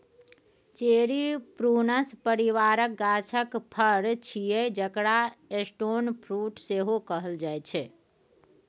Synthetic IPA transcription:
t͡ʃeɾipɾunəspəɾiʋaɾək̚ɡat͡ʃʰəkpʰəɾt͡ʃʰijed͡ʒəkɽaesʈonpʰɾuʈseɦokəɦəld͡ʒajt͡ʃʰɛ

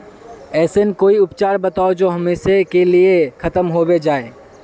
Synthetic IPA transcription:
ɛːsenkoːiʊpt͡ʃaːɾbɐt̪aːod͡ʒoːɦɐmeːʃekeliekʰɐt̪əmɦoːbed͡ʒaːe

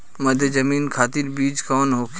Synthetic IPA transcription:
mɐd̪ʱjəzɐmiːnkʰaːt̪ɪɾbiːd͡ʒkɔːnɦoːk

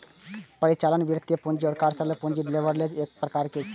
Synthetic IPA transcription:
pəɾit͡ʃalənʋiɾt̪jepũnd͡ʒiɔɾkaɾsəɾlepũnd͡ʒiɖleʋəɾled͡ʒek̚pɾɐkaɾket͡ʃ

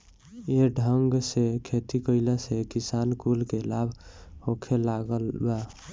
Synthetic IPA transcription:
eɖʱəŋɡsekʰet̪ikəɪlesekisankulkelabʱhokʰelaɡəlbɛ

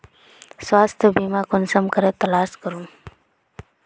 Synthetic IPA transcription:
swaːst̪ʰəbimaːkʊnsəmkəɾet̪ɐlaːskəɾum

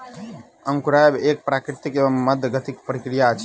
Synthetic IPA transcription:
əŋkuɾaebek̚pɾakɾit̪ikebəmːəd̪ʱəɡət̪ikpəɾikɾijaət͡ʃʰ

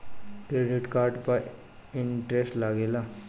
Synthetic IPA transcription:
kɾeːɖɪʈkaːɾɖpaɾ | ɪɳʈɾesʈlaɡeːlaː

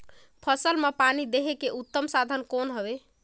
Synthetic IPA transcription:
pʰəsəlmepanid̪eɦekeʔut̪ːəmsad̪ʱənkonɦəbe

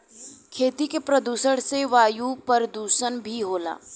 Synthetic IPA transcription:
kʰeːt̪ikepɾɐd̪uːsəɽ̃seʋaːjupəɾd̪uːʃənbʱiɦoːla̰ː

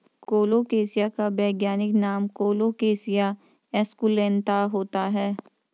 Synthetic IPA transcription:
koːlokeːsijakabɛːɡjaːnɪknaːmkoːlokeːsija | ɛskulẽːnt̪aɦoːt̪aɦɛː

